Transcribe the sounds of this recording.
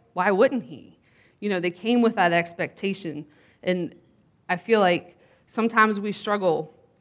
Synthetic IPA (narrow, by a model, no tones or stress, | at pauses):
waɪwʊdⁿn̩t̚hḭ | jɨñoʊðeɪkʰẽɪ̃mwəðəɾɛkspɛk̚tʰeɪʃɨ̃n | ʔɨ̃n | aɪfilaɪk | sʌ̃mtʰãɪ̃mzwistɹ̥ʌɡl̩ˠ